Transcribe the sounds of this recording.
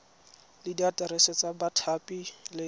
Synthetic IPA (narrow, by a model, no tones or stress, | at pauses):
lɪdiatʼaɾɛsɛt͡sabatʰapʼilɪ